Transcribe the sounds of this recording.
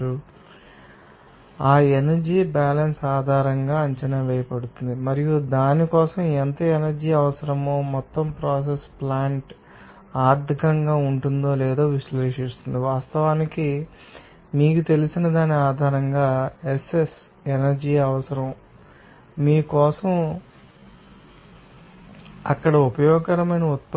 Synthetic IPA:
u | aːenɐɾd͡ʒiːbaːlɐnsaːd̪ʱaːɾɐŋɡaːɐɲt͡ʃɐnɐʋɛːjɐpɐɽut̪und̪imɐɾijud̪aːnikɔːsɐment̪ɐenɐɾd͡ʒiːɐʋɐsɐɾɐmoːmɔt̪ːɐmpɾɔːs̬esplaːɳʈ | aːɾd̪ʱikɐŋɡaːuɳʈund̪o̞ːlɛːd̪o̞ːʋiʃleːʂist̪und̪iʋaːst̪ɐʋaːniki | miːkut̪e̞lisinɐd̪aːniaːd̪ʱaːɾɐŋɡaːeses | enɐɾd͡ʒiːɐʋɐsɐɾɐm | miːkɔːsɐm | ɐkːɐɽɐupɐjɔːɡɐɾɐmɐjnɐut̪ː

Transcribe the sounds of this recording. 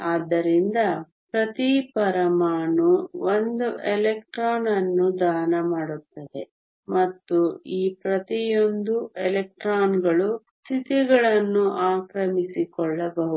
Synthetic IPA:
aːd̪ːɐɾind̪ɐ | pɾɐt̪ipɐɾɐmaːnuond̪uelek̚ʈɾaːnɐnːud̪aːnɐmaːɽut̪ːɐd̪e̞ | mɐt̪ːuiːpɾɐt̪ijo̞nd̪uelek̚ʈɾaːnɡɐɭust̪ʰit̪iɡɐɭɐnːuʔaːkɾɐmisikɔɭːɐbɐɦu

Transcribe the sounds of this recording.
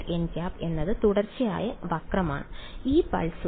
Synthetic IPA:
enkʲaːpe̞nːɐðɨt̪uɽɐrt͡ɕːija̰ːjɐʋɐkrɐma̰ːɳɨiːpɐ̰ɭsu

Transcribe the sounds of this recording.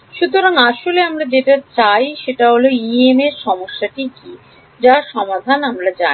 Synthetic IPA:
ʃut̪oɾaŋaʃoleamɾad͡ʑeʈat͡ɕajʃeʈaɦoloiemeɾʃɔmoʃːaʈiki | d͡ʑaʃɔmad̪ʱanamɾad͡ʑa̰

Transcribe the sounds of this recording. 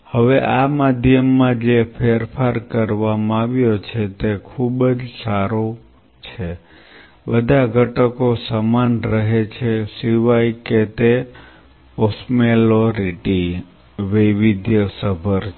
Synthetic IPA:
həʋeʔamad̪ʱjəmːãd͡ʒepʰeɾpʰaɾkəɾʋamãaʋjot͡ʃʰet̪ekʰubəd͡ʒsaɾo | t͡ʃʰe | bəd̪ʱaɡʱəʈəkosamanɾəɦet͡ʃʰesiʋajket̪e | osmeloɾiʈi | ʋiʋid̪ʱjəsəbʱəɾ

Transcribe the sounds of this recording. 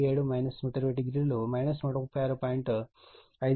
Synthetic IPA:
eːɽumɐjnɐsmuʈɐɾʋeːʈiɡɾilumɐjnɐsmuʈɐkupːɐjaːɾupaːjiɳʈ | ɐjd̪

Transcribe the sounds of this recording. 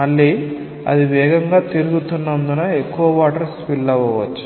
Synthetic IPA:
ɐɭːi | ɐ̰d̪iʋɛːɡɐŋɡaːt̪iɾuɡut̪unːɐnd̪unɐe̞kːuʋɐʋaːʈɐɾspilːɐʋɐːʋɐt͡ʃːu̥

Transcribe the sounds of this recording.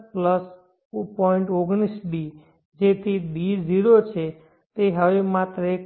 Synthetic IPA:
pləs | pɔiɳʈoɡɽ̃isɖi | d͡ʒet̪ʰiɗiziɾot͡ʃʰe | t̪eɦəʋemat̪ɾəe

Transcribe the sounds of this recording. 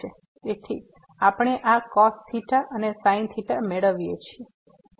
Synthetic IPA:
e | et̪ʰi | apɳ̃eʔakɔst̪ʰiʈaʔənesaint̪ʰiʈameɭəʋijet͡ʃʰie

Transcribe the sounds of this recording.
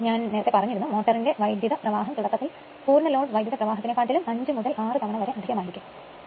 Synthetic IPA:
ɲaːnne̞ːɐt̪ːepɐrɐɲːiɾunːumoːʈːɐrinde̞ʋɐjd̪jɐðɐprɐʋaːɦɐmt̪uɽɐk̪ːɐt̪ːil | puːɾnɐlo̞ːɖʋɐjd̪jɐðɐprɐʋaːɦɐt̪ːinekːaːʈːilumɐɲd͡ʑɨmuðɐlaːrɨt̪ɐmɐɳɐʋɐɾeɐd̪iɣɐmaːjiɾikʲːum

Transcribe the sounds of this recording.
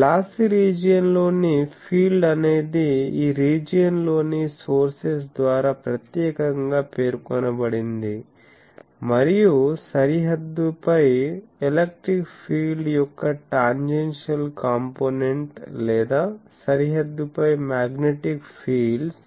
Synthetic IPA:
laːsiɾiːd͡ʒjɐnlo̞ːnipʰiːɖɐne̞ːd̪iiːɾiːd͡ʒijɐnlo̞ːniso̞ːɾses̬d̪ʋaːɾaːpɾɐt̪jɛːkɐŋɡaːpe̞ːɾkɔnɐbɐɽind̪i | mɐɾijusɐɾiɦɐd̪ːupɐjelek̚ʈɾikpʰiːɖjɔkːɐʈaːɲd͡ʒenʂɐlkaːmpoːneɳʈlɛːd̪aː | sɐɾiɦɐd̪ːupɐjmaːɡneʈikpʰiːlɖs

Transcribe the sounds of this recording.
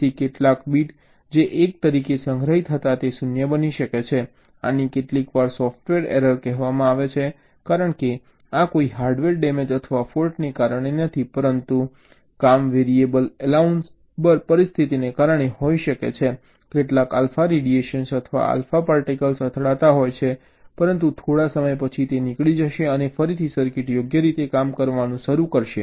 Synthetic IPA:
t̪ekeʈlakbiʈ | d͡ʒeʔek̚t̪əɾikesə̃ŋɡʱɾəɦit̪ʰɦət̪at̪esunjəbəniʃəket͡ʃʰe | a̰nikeʈlikʋaɾsɔfʈʋeɾḛɾəɾkɛɦʋamãaʋet͡ʃʰe | kaɾəɳke | akoiɦaɾɖʋeɾɖɛmed͡ʒət̪ʰəʋafoɾʈnekaɾəɳ̃enət̪ʰipəɾənt̪u | kamʋeɾiebəlɛlauns | bəɾpəɾist̪ʰit̪inekaɾəɳ̃ehoiʃəket͡ʃʰe | keʈlakalfaɾeɖieʃənsət̪ʰəʋa̰a̰lfapaɾʈikəlsət̪ʰɽat̪aɦojt͡ʃʰe | pəɾənt̪̬ut̪ʰoɽasəməjpət͡ʃʰit̪enikɭid͡ʒəʃeənefəɾit̪ʰisəɾkɪʈjoɡjəɾit̪ekamkəɾʋanũʃəɾukəɾʃe

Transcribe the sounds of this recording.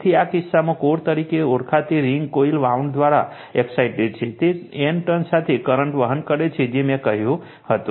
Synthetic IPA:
t̪ʰiakisːamẽkoɾt̪əɾikeuɾkʰat̪iɾiŋɡkoilʋauɳɖd̪ʋaɾa̰ | eksaɪʈeɖ̚t͡ʃʰit̪ienʈənsat̪ʰikəɾəɳʈʋəɦənkəɾet͡ʃʰid͡ʒimekəɦjũ | hət̪u

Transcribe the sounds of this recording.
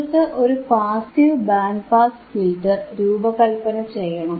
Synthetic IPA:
t̪ːɨʔo̞ɾupaːsiʋbaːnɖpaːsfilʈɨɾuːbɐkɐlpɐnɐmt͡ɕe̞jːɐɳɐm

